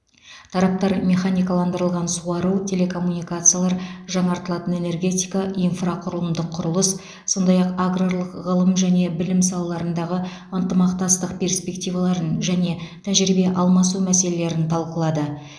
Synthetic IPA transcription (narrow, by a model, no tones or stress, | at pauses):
t̪ʰɑɾɑp̚t̪ɑɾmʲe̞χanʲijkalˠɑnd̪əɾəlˠʁɑnsuɑɾut̪ʲʰe̞le̞kʰo̞mːunijkat̪sɨjalˠɑɾʒɑɴɑɾt̪əlˠɑt̪əne̞ne̞rɡʲe̞t̪ʲijkaʔijnfraqʰʊɾəlˠəmd̪əqʰːʊɾəlˠəs | so̞nd̪ɑjɑqaɡroɾlˠəqʁəlˠəmʒæne̞bɪlɪmsɑlˠɑlˠɑɾənd̪ɑʁə | ənt̪əmɑqt̪ɑst̪əq̚pʰʲe̞rspʲe̞k̚t̪ʲivalˠɑɾənʒæne̞t̪ʰæʒɾibe̞ʔɑlˠmɑsumæse̞lele̞ɾɪnt̪ʰɑlˠqəlˠɑd̪ə